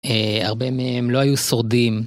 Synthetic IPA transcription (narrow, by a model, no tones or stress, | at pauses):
ea̰ʁbemehemlo̞ajuso̞ʁdim